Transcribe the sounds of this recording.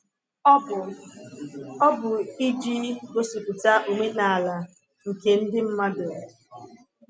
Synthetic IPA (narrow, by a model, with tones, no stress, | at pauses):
ɔ˦bʊ˨i˦d͡ʒi˦ɡo˦su˨ku˨ta˦ʔu˨me˦na˨a˨la˨ | ŋ̩˨ke˨n̩˦dɪ˦m̩˦ma˦dʊ˨